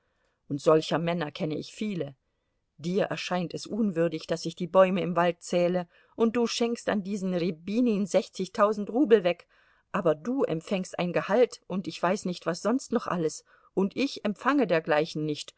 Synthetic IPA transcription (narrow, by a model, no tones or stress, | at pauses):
ʔʊntz̥ɔlçɐmɛnɐkʰɛnəʔɪçfiːlə | d̥iːɐʔɛ̰ɐʃaɪntɛsʔʊːnvʏɐdɪçd̥asɪçd̥iːbɔʏməɪmvalt̚t͡sɛːlə | ʔʊnt̚d̥uːʃɪŋksta̰ndiːzn̩ʁibiːninzɛçt͡sɪçtʰaʊzn̩tʁuːbl̩vɛk | ʔaːbɐduːʔɛ̰mfɛŋstʔa̰ɪnɡəhaltʔʊntɪçv̥aɪsnɪçtv̥asz̥ɔnstnɔχʔa̰ləs | ʔʊntʔɪçɛmfaŋədeːɐɡlaɪçn̩nɪçt